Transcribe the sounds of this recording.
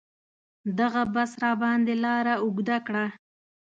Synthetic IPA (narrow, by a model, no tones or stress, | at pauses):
d̪aɣabasɾɑbɑnd̪elɑɾaʊɡd̪akɽa